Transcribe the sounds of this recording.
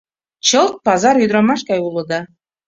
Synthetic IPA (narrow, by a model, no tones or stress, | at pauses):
t͡ɕɤlˠt̪̚pɑzɑɾyd̪ɾɑmɑʃkɑjulˠɤ̆d̪ɑ